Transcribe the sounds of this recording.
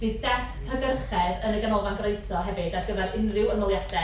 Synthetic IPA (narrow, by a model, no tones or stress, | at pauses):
b̥iːðdɛskʰəbɛrχɛðənəɡanɔvanɡrejsɔɦɛvɨdaɡəvɛɾɪnrɪwənmɔlˠjaθɛ